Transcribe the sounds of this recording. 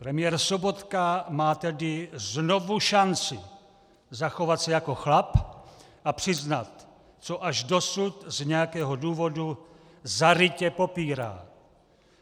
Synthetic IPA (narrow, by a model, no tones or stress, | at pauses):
pɾɛmɪjɛɾso̞bo̞t̪kamaːt̪ɛdɪzno̞vuʃant͡sɪ | zaxo̞vat̪sɛjako̞xlap | ʔapr̥ɪznat̪ | t͡so̞ʔaʒdo̞sut̪zɲɛjakɛːɦo̞duːvo̞du | zaɾɪcɛpo̞piːɾa̰ː